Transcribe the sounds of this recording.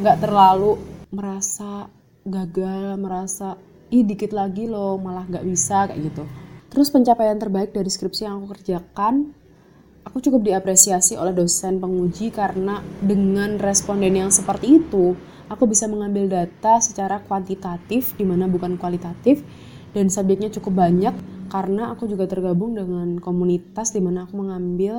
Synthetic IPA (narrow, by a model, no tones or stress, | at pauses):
ŋɡaʔt̪ərlaluməɾasa | ɡaɡalməɾasa | ihdikɪt̪laɡilomalahŋɡaʔbisaka̰ʔɡit̪ut̪əɾʊspəɲt͡ʃapajant̪ərbaɪk̚daɾiskɾɪpsijaŋakukərd͡ʒakan | ʔakut͡ʃukʊp̚diapɾesiasio̰lɛhdosɛnpəŋud͡ʒikaɾənadəŋanrɛspondɛnjaŋsəpərt̪iːt̪u | ʔakubisaməŋambɪldat̪asə̥t͡ʃaɾakwant̪it̪at̪ɪfdimanabukankuwalit̪at̪ɪf | d̥ansab̚d͡ʒɛk̪̚ɲat͡ʃukʊp̚baɲakːaɾənaːkud͡ʒuɡat̪ərɡabʊŋdəŋankomunit̪asdimanaːkuməŋambɪl